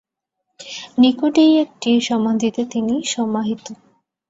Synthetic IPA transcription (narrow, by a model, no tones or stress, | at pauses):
nikoɖijek̚ʈiɾʃɔmand̪ʱit̪et̪iniʃɔmaɦit̪o